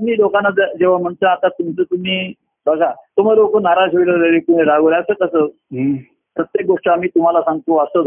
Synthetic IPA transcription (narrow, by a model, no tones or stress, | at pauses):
miːlokanːad͡zd͡zeʋ̤am̤əɳt̪əat̪at̪umt͡sət̪um̤iː | bʱəɡʱat̪um̤alokənaɾaɕeʋiləɾelekuɽẽɾaɡolasəkəsəː | pɾət̪jek̚ɡoʂʈəamiːt̪um̤alasãŋɡt̪oəsəd̪